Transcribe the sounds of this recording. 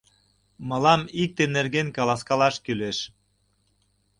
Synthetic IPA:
mɑlɑmik̚t̪enerɣenkɑlɑskɑlɑʃkyleʃ

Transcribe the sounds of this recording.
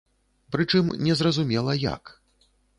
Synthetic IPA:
pɾɨt͡ʂɨmnʲɛzrɐzumʲɛlˠɐja̰k

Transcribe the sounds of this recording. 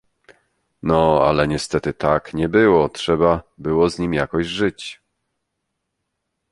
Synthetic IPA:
nɔa̰lɛɲɛst̪ɛt̪ɘt̪akɲɛbɘwɔtʂɛbabɘwɔzɲimjakɔʑʐɘt͡ɕ

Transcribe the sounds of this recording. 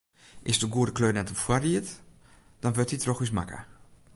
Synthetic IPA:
ʔɪsdəɡuədəkløːnɛtɔfwariət | d̥ɔnʋøtitrɔxisma̰kə̰

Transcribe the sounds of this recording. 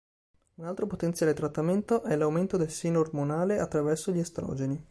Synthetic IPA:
unalt̪ɾopot̪ent̪sjaːlet̪ɾat̪ːament̪oʔɛlawment̪od̪elseːnoːrmonaːleat̪ːɾavɛrsoʎːiest̪ɾɔ̰ːd͡ʒeni

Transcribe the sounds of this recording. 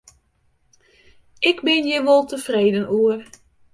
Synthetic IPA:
ɪɡbɪnjəʋɔlˠtəfreːdənuər

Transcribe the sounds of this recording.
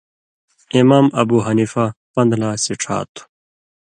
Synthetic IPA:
imaːmɐbuːɦɐniːfapɐ̃nd̪laːsiʈ͡ʂʰa̰ːt̪ʰu̥

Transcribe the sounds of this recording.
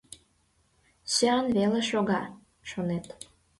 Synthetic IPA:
søɑnβeleʃoɣɑ | ʃonet̪

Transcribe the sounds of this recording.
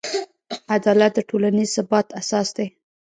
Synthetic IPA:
ad̪ɑlat̪̚d̪əʈʰolanizsʊbɑt̪asɑsd̪e

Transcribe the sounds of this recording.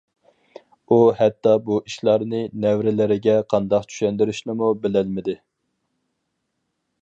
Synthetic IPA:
uhɛt̪ːɑbuʔiʃlˠɑɾnɨnɛwɾɪlɪɾɪɡʲɛqʰɑnd̪ɑqt͡ʃʰy̥ʃɛnd̪ɪɾɪʃnɪmubɪlɛlmɪd̪ɪ

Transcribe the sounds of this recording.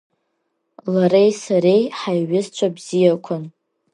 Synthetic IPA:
laɾejsaɾejħajʕʊzt͡ʃʷʰabzijakʷʰʊn

